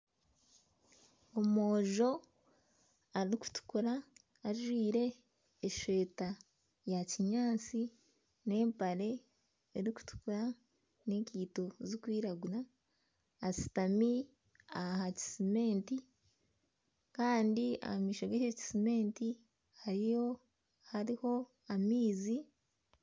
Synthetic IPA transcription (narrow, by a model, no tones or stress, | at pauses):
omoːʒo̞ | aɾiɾiku̥tu̥kuɾaː | ʒwiːɾe̞ː | ʃwe̞ːta | jaciɲaːt͡si | ne̞ːmpaɾe̞ | eɾiku̥tu̥kuɾa | neciːto̞zikwiːɾaɡuɾaː | si̥tami | ahaci̥sime̞ːnti | kaːndia̰hamiːʃoɡeheci̥sime̞ːnti | haɾijo̞ | haɾiho̞ | amiːzi